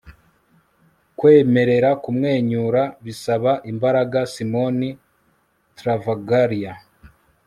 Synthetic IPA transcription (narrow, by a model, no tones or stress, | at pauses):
kwe̞ːme̞ɾe̞ɾakumŋe̞ːɲuɾaβisaβaʔimbaɾaɡasimo̞ni | tɾavaɡaɾia